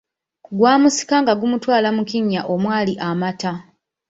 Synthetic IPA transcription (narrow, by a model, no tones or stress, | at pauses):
kuɡwaːmusi̥kaŋɡaɡumutwaːlamukiɲːaʔomwaːliʔamata